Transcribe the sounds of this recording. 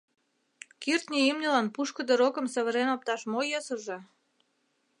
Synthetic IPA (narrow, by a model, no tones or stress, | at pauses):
kirt̪nʲiimnʲəlɑnpuʃkə̆d̪əɾokə̆msə̆βə̆ɾenop̚t̪ɑʃmojɤsə̆ʒe